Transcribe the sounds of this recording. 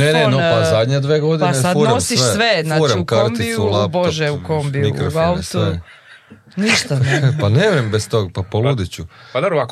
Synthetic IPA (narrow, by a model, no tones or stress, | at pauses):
nenenopazad̪ɲed̪ʋeɡo̞d̪ianesad̪uɾneosiʃeʋeznauːɾamkaɾt̪isulˠaboʒeukombiniukaait̪ue | niʃt̪apaneʋɾembest̪oɡ̚papolud̪it͡ɕupad̪obɾoa